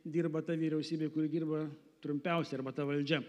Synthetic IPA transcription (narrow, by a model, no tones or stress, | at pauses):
d̪ʲiːrbɐt̪ɐʋʲiːɾʲɛʊsʲiːbʲeːkʊɾʲɪd̪ʲiːrbɐ | t̪ɾʊmʲpʲɛˑʊsʲɛɪɐrbɐt̪ɐʋɐlʲd͡ʒʲɛ